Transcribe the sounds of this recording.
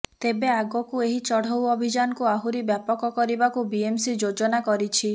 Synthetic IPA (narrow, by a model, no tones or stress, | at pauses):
t̪ebeaɡɔkueɦit͡ʃɔɽ̤owɔbʱid͡ʒanɔkuaɦuɾibjapɔkɔkɔɾibakubiemsid͡ʒod͡ʒɔnakɔɾit͡ʃʰi